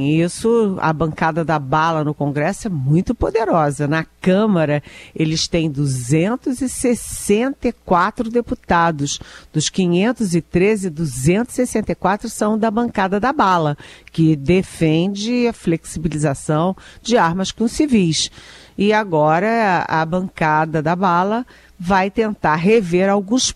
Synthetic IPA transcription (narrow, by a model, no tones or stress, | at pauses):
isʊɐ̰bɐ̃ŋkad̪ɐd̪ɐbalɐnʊkõɡɾɛsʊɛmũj̃t̪ʊpod̪eɾɔzɐnɐkɐ̃mɐɾɐelɪst̪ẽj̃d̪uzẽnt̪ʊzɪsesẽnt̪ɐjkwat̪ɾʊd̪eput̪ad̪ʊsd̪ʊskĩɲẽnt̪ʊzɪt̪ɾezɪd̪uzẽnt̪ʊz̥sesẽnt̪ejkwat̪ɾʊsɐ̃w̃d̪ɐbɐ̃ŋkad̪ɐd̪ɐbalɐkɪd̪efẽd͡ʒɪɐfleksibilizasɐ̃w̃d͡ʒɪaɾmɐskõsivijsɪaɡɔɾɐɐ̰bɐ̃ŋkad̪ɐd̪ɐbalɐ | vajt̪ẽnt̪aɾɦeveɾawɡũs